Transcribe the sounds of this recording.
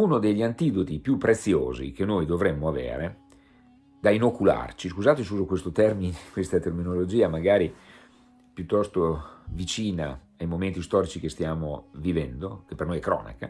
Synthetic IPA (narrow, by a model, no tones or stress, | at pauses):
unod̪eʎːiant̪id̪ot̪ipjupːɾet̪sːjo̰ːzḭk̟enːojd̪ovɾemːoavḛːɾe | d̪ainokula̰rt͡ʃiskuzaːt̪esuːzokwest̪ot̪ɛrminekwest̪at̪erminolod͡ʒiːamaɡaːɾi | pjut̪ːɔst̪ovit͡ʃiːna̰ | ajmomẽnt̪ist̪ɔːɾit͡ʃikest̪jaːmovivɛnd̪okepːernojɛkːɾɔ̰ːna̰ka̰